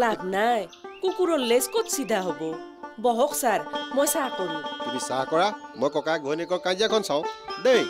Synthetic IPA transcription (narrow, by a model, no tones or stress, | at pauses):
labʱnajkukuɾɔleskot̪sid̪ʱaɦobo | bɔɦoksaɾmɔjsaʈɔɾukubisaɦkɔɽamɔjkɔkaɡʱɔnekɔkãd͡ʒjakʰɔnsʰãw̃d̪ej